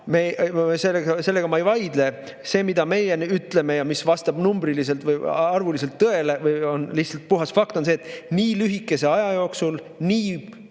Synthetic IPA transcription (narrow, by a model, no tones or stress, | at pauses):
meselːeɡse̞lːe̞ɡ̥ɑmɑejvɑjd̪̥le̞ | se̞ːmid̪̥ɑme̞jenyt̪ˑle̞me̞jɑmisvɑst̪ɑb̥numbɾilis̬e̞lt̪vɯjɑrvulis̬e̞lt̪ːɤe̞le̞vɯjo̞nlihtsɑlt̪̚puɦɑsfɑkt̪o̞nseːt̪ːˑniːlyɦikːˑe̞se̞ɑjɑjo̞ːksul | niː